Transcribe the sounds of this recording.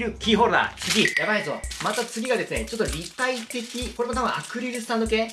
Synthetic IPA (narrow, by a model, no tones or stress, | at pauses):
ɾɯ̟kʲiːɦoːɾɯd̪a̰t͡sɨɡʲijabaizo̞̰mat̪at͡sɨɡʲiɡad̪e̞sɨnet͡ɕo̞t̪ːoɾʲit̪ait̪e̞kʲikoɾe̞mo̞t̪abɯ̟̃ʔakɯ̟ɾʲiɾɯ̟s̬ɨ̥t̪ãnd̪o̞keː